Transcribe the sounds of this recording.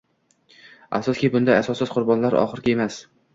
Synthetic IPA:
a̰sɒskʲibʊnd̪ajasɒsɪzqʰʊɾbɒnlaɾɒ̰χɨɾɡʲɪe̞mas

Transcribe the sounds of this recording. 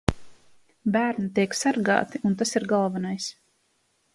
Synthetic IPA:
bæːɾnit̪iɛksaɾɡa̰ːt̪iʔunt̪̬asiɾɡalˠvanajs

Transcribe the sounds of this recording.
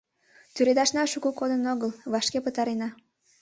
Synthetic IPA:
t̪yɾed̪ɑʃnɑʃuɣukod̪ənoɣəlβɑʃkepət̪ɑɾenɑ

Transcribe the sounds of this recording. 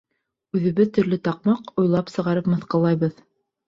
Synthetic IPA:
ʉðɘ̆βɘðt̪ɵ̆ɾlɘt̪ɑq̚mɑqujlˠɑpsɤ̆ʁɑɾɤpmɤ̆θqɤ̆lˠɑjβɤð

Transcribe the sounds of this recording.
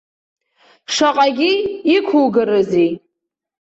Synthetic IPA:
ʂaqʼaɡʲiːkʷʰuwɡɨɾɨzi

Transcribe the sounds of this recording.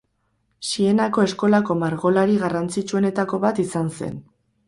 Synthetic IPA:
sie̞nako̞e̞sko̞lako̞maɾɣo̞laɾiɣarant͡sit͡ʃuo̞ne̞t̪ako̞βat̪isanse̞̰n

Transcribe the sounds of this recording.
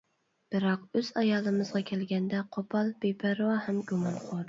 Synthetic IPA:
b̥ɨɾɑqøz̥ɑjɑːlˠɨmɨzʁɑkʲʰɛlɡʲɛnd̪ɛqʰopʰɑlˠbepʰæɾwɑhɛmɡumɑnqʰod̪

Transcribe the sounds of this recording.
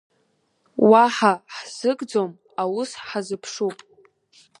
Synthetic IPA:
waħaħz̥ɨkʼd͡zom | awʊsħazɨpʰʂupʼ

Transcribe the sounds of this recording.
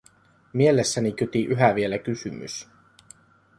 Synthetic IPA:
mielesːænik̟yt̪iʔyɦæʋielækysymy̰s

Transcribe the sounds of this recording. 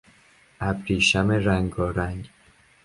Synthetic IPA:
ʔæbɾiːʃæmeɾæŋɡɒːɾæŋɡ

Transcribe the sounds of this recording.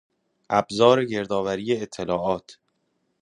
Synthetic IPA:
ʔæbzɒːɾeɟe̞ɾd̪ɒːvæɾiːjeːt̪ʰːelɒːʔɒːt̪ʰ

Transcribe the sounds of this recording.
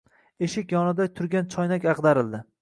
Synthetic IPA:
eʃɪkʲjɒnɪd̪at̪ʰʊɾɡʲant͡ʃʰɒjnakʲɑqd̪aɾɪld̪ɪ

